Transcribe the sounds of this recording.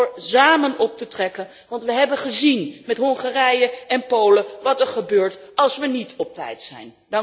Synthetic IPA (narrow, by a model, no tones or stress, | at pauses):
ɹzaːmənɔp̚tətrɛkən | ʋɑntʋəɦɛbənχəzinmɛtɦɔŋχarɛjəɛnpowləʋɑtəɹχəbøːɹtɑlˠsʋənitʰɔp̚tɛ̰jtsɛ̰jn | dɑŋ